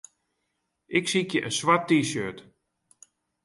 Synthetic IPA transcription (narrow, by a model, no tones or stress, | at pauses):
ʔɪksikjəʔənswat̚ːiːsøːt